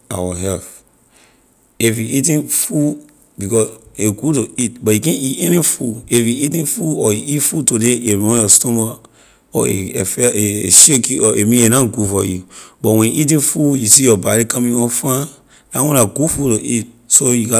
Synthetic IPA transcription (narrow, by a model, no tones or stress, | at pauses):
a̰waɦɛlf | ifjuʔitĩnfu | bikɔseɡutoit̚bɔjikɛ̃niʔeɾĩnfuefjuitĩnfuɔiitfutodeemɔ̃jɔstɔma | ɔ̰ḛfɛeeʃekiɔʔemĩenãɡufɔjubɔwɛ̃nʔit̬ĩnfujusijɔbaɾikãmĩŋɔ̃nfã | lawɔ̃naɡufutoʔit̚ | sojuka